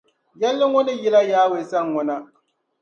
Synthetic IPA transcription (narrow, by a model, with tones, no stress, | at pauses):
jɛ˦lːɨ˦ŋʊ˦nɨ˦jɪ˦la˦jaː˦we˨sa˦ŋ˨ŋʊ˨na˦